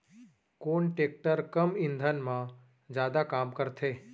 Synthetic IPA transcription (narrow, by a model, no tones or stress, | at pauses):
koːɳʈeːk̚ʈəɾkəmɪ̃nd̪ʱənmã | d͡ʒjaːd̪akaːmkəɾt̪ʰeː